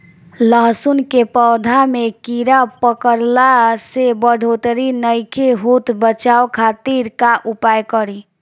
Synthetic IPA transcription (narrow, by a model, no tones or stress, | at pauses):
ləɦsunkepəwd̪ʱamekiɾapəkəɾlasebəɽ̤ʱot̪ɾinəjkʰeɦut̪bət͡ʃaokʰat̪iɾkaʔupajkəɾi